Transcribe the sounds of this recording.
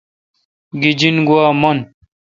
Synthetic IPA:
ɡid͡ʑinɡuwaːmɐn

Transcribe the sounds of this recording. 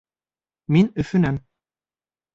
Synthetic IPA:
minɵfynæm

